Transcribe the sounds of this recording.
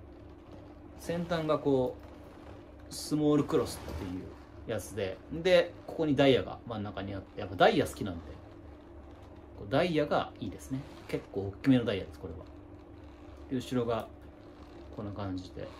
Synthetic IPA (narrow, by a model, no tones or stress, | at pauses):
sẽ̞nt̪ãŋɡako̞ː | sɨmo̞ːɾɯ̟kɯ̟ɾo̞sɨ̥t̪ːe̞jɯ̟̰ː | jat͡sɨd̪e̞nd̪e̞ko̞̥ko̞ɲ̟id̪aijaɡa̰mãnːakaɲ̟iat̪ːe̞japːad̪aijasɨ̥kʲinano̞d̪e̞ | ko̞ːd̪aijaɡa̰iːd̪e̞sɨne | ke̞kːo̞ːokʲːime̞nod̪aija̰d̪e̞sɨ̥ko̞ɾe̞βa̰ | ɯːɕiɾo̞ɡa | kõ̞nːakãɲ̟d͡ʑid̪e̞̰